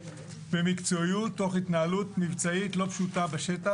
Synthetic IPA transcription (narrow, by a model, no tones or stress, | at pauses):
bemikt͡so̞ijutːoχitnaalutmivt͡saitlo̞pʃutabeʃeta